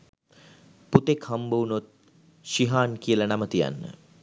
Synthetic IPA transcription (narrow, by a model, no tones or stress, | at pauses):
put̪ekhambəunot̪̚ | ʃiɦaːnkijəlanamət̪ija̰nːə̰